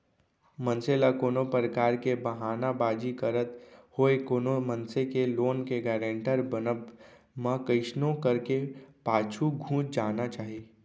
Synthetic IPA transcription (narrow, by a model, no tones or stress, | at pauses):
mənselakoːnopɾəkaːɾkebəɦaːnabaːd͡ʒikəɾət̪hoːekoːnomənsekeloːnkeɡɛːɾə̃ɳʈəɾbənəb | mãkəɪʃnõkəɾkepaːt͡ʃʰuɡʱũːt͡ʃd͡ʒaːnat͡ʃaːɦi